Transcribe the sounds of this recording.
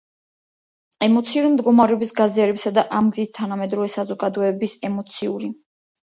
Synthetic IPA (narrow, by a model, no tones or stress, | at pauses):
ɛmɔt̪sʰiuɾimd̪ɡɔmaɾɛɔbisɡaziaɾɛpsad̪aʔamɡzit̪̚t̪ʰanamɛd̪ɾɔvɛsazɔɡad̪ɔɛbisɛmɔt̪sʰiuɾi